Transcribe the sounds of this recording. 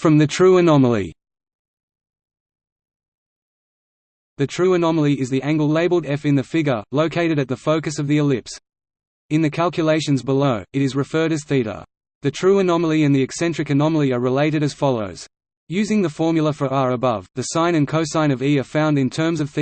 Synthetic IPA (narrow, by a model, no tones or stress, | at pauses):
fɹʌ̃mðɨtʰɹ̥ʉənɑməl̩ˠḭ | ðɨtʰɹ̥ʉɨnɑməl̩ˠiʔɪzðiʔæ̃ŋɡl̩ˠleɪbl̩ˠdɛfɨ̃nðɨfɪɡjə˞ləʊkʰeɪɾɨɾɨt̪̚ðəfəʊkɨsʌvðiɨlɪps | ɨ̃nðɨkʰælˠkʰjəleɪʃɨ̃nzbəloʊɨɾɨzɹɨfɜ˞ɾɨz̥θiɾə̰˞ | ðɨtʰɹ̥ʉɨnɑməl̩ˠiɨ̃nðiɨksɛ̃nt͡ʃɹ̥ɨkɨnɑməl̩ˠiəɹɨleɪɾɨɾɨz̥fɑlˠəʊz̥ | jʉzɪ̃ŋðəfɔɹmjlˠəfə˞ʔəɹəbʌvðɨsãɪ̃ñɨ̃nkʰəʊsãɪ̃ñʌviə˞fãʊ̃ndɨ̃ntʰɜ̃˞mzʌv̥θ